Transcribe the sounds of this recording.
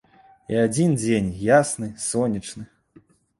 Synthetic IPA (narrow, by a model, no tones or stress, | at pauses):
iad͡zʲind͡zʲenʲjasnɨsɔnʲit͡ʂnɨ